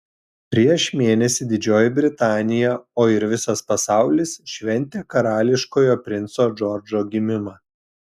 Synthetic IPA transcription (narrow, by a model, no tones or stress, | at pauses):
pʲɾʲiɛʃmʲeːnʲɛsʲɪd̪ʲɪd͡ʒʲoːjɪbʲɾʲɪt̪ɑːnʲɪjɛoːɪɾʋʲɪsɐspɐsɑˑʊlʲɪsʃʲʋʲɛnʲt̪ʲeːkɐɾɑːlʲɪʃkoːjoːpʲɾʲɪnt̪soːd͡ʒɔɾʲd͡ʒoːɡʲɪmʲɪmɑː